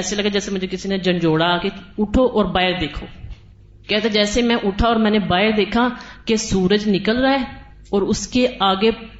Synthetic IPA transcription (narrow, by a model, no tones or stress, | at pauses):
ɛːseːləɡad͡ʒɛːseːmʊd͡ʒekɪsiːned͡ʒəɳd͡ʒoːɽaːkeʊʈʰoːʔɔːɾbaːɪɾd̪eːkʰo̰ː | kɛːt̪ɛ̃ːd͡ʒɛːsemɛ̃ːʔʊʈʰaːɔːɾmɛ̃ːnebaːɦɪɾd̪eːkʰaːkesuːɾəd͡ʒnɪkəlɾaeː | ɔːɾʊskeaːɡeː